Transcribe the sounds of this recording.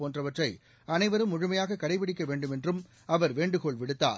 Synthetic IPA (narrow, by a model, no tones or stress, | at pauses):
poːndrɐʋɐʈrɐɪ | ɐnɐɪʋɐɾɯmʊɻʊmɐjaːɣɐkːɐɽɐɪʋɪɽɪkːɐʋeːɳɖɯmɛndrɯm | ɐʋɐɾʋeːɳɖɯɣoɭʋɪɽɯt̪ːa̰ːɾ